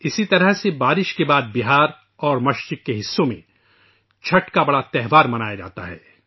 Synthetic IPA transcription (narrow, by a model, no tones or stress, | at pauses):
ɪsit̪ɐɾəɦsebaːɾɪʃkebaːd̪̚bɪɦaːɾ | ɔːɾmɐʃt͡ʃɪkːeɦɪsːõmḛ̃ | t͡ʃʰɐʈkabɐɽat̪ɛɦʋaːɾmɐnaːjad͡ʒa̰ːt̪a̰ɦɛ̰ː